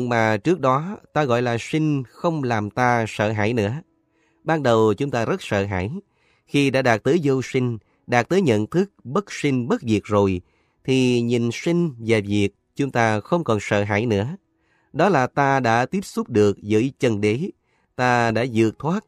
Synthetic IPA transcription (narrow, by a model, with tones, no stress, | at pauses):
maː˨˩t͡ɕɨ˦˥ək̚ɗɔ˨˦t̪aː˧ɣɔ̰˧˨jlaː˨˩sï˧ŋ̟xə˧wŋ͡mlaː˨˩mt̪aː˧sə̰ː˧˨ɦa̰ː˧˥jnɨ̰˧˥ə | ɓaː˧nɗə˨˩wt͡ɕʊ˨˦ŋ͡mt̪aː˧zə˦˥t̚sə̰ː˧˨ɦa̰ː˧˥˨j | xi˧ɗa̰ː˧˥ɗaː˨˩k̚t̪əː˨˦jzo˧wsï˧ŋ̟ | ɗaː˨˩t̚t̪əː˨˦jɲə̰˧˨nt̪ʰɨ˦˥k̚ɓə˦˥t̚si˧ŋ̟ɓə˦˥t̚vi˨˩ək̚zo˨˩j | t̪ʰi˨˩ɲi˨˩nsi˧ŋ̟vaː˨˩vi˨˩ək̚t͡ɕʊ˨˦ŋ͡mt̪aː˧xə˧wŋ͡mkɔ˨˩nsə̰ː˧˨ɦa̰ː˧˥jnɨ̰˧˥ə | ɗɔ˨˦laː˨˩t̪aː˧ɗa̰ː˧˥t̪i˦˥əp̚sʊ˦˥p̚ɗɨ˨˩ək̚zə̰ː˧˥jt͡ɕə˧nɗe˨˦ | t̪aː˧ɗa̰ː˧˥zɨ̰˧˨ək̚t̪ʰwaː˦˥t̚